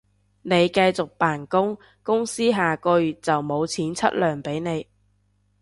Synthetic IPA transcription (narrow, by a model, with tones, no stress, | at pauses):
ne˨˧jkɐ˧jt͡sʊ˨k̚paː˨˩nkʊ˥ŋ | kʊ˥ŋsiː˥ɦaː˨kɵ˧ɥy˨t̚t͡sɐ˨wmo˨˧wt͡sʰiː˨˥nt͡sʰɐ̰˥t̚lœː˨ŋpe˨˥jne˨˧j